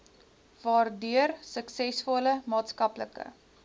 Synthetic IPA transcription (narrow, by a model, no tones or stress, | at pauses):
vɑːrdyərsəksɛsfɔləmɑːtskɐpləkə̰